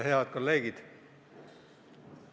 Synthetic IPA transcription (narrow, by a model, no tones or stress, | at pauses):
ɦe̞ɑd̪̥̚ko̞lːe̞ːɡ̥id̪̥